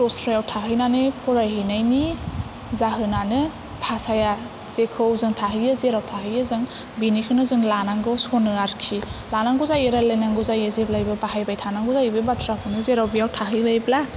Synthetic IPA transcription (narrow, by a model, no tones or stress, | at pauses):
ɾɔsɾajawtʰaɦɯjnanɯpʰɔɾajhinajni | zaɦɯnanɯ | pʰasaja | z̥ekʰɯwzɯŋtʰaɦɯjazeɾawtʰaɦɯjɯzɯŋ | binikʰɯnɯzɯŋlanaŋɡɯsonɯaɾkʰilanaŋɡuzajeɾalajnaŋɡuzajezeblajbɯbahajbajtʰanaŋɡuzajɯbɯbatʰɾakʰɯnɯzeɾawbijawtʰaɦɯjlajbla